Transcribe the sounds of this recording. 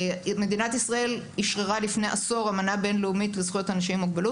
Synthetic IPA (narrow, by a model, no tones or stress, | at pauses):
me̞d̪inat̪isʁae̞l | iʃʁeʁalifneʔa̰so̞ʁamanabe̞nleumitlezχujotanaʃimːuɡ̚belut